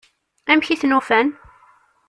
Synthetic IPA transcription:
æmçiθnufæn

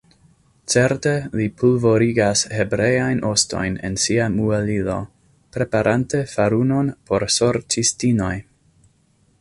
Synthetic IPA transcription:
t͡se̞ɾte̞lipʰulvo̞ɾiɡashe̞bɾe̞jajnʔo̞sto̞̰jne̞̰nsiamuelilo̞ | pɾe̞paɾʔante̞faɾuno̞npo̞ɾso̞ɾt͡ʃistino̞j

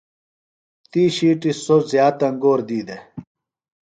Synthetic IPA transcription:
t̪iːɕiːʈisozjaːt̪ɐŋɡoːɾd̪iːd̪e

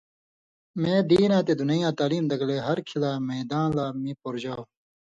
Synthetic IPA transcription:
mẽːd̪iːnãːt̪eːd̪unɐjãːt̪aːliːmd̪ɐkleːɦɐɾkʰilaːmeːd̪ãːnlaːmĩːpoɾd͡ʑaːw

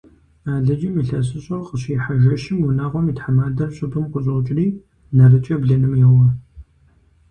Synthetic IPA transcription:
aːɮɐd͡ʒimɨɬɐs̬ɨɕʼɐrqəɕiħaʒɐʃɪmwʊnaːʁʷɔmiːtħamaːdɐrɕʼɪtʼʊmqʷʊɕʼɐt͡ʃʼɪriː | nɐrɨt͡ʃʼɐbɮɐnɨmjɛwɐ

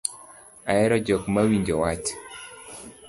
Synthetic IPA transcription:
aɛɾɔd͡ʒɔkmawiɲd͡ʒɔwat͡ʃ

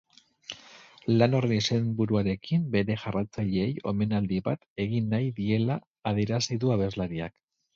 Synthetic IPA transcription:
lano̞renise̞mbuɾuaɾe̞kimbe̞ɾe̞ʝarat͡saʎeːjo̞̰me̞nald̪iβat̪e̞ɣinːajðie̞laː | ð̞ie̞ɾasiðuaβe̞zlaɾia̰k

